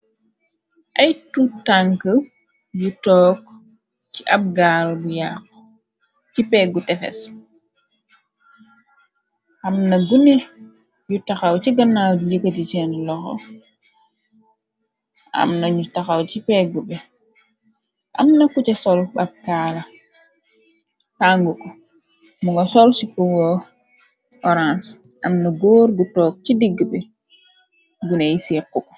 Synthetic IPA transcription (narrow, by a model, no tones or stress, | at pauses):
ʔajtutaŋkə | jutɔːk | t͡ʃiʔab̚ɡaːlbujakː | t͡ʃipɛɡutɛfɛ̰s | hamnaɡune | jutaxawt͡ʃiɡanːawdijəkatit͡ʃɛnlɔxɔ̰ | a̰mnaɲutːaxawt͡ʃipɛɡubɛ | ʔa̰mnakut͡ʃɛsɔlɓap̚kala | saŋɡukɔ | muŋɡasɔlsikuŋɔ | ʔɔɾans | ʔamnaɡoːɾɡutɔːk̚t͡ʃidiɡːubɛ | ɡunejisikːukɔ̥